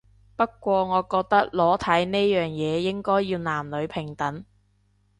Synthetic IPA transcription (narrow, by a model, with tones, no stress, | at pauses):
pɐ˥t̚kːʷɔː˧ŋɔː˨˧kɔː˧k̚t̪ɐ˥k̚lɔː˨˥t̪ʰɐ˨˥jne˥jœː˨ŋjɛː˨˧jɪ˥ŋkɔː˥jːiː˧wnaː˨˩mlɵ˨˧ɥpʰɪ˨˩ŋt̪ɐ˨˥ŋ